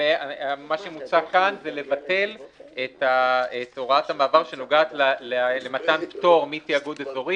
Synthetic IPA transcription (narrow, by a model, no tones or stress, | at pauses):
eamaʃemut͡sakanzele̞vate̞letaetoʁathamaːvaʁʃe̞noɡaːtlalelematanpto̞ʁmitiaɡud̪ezo̞ʁi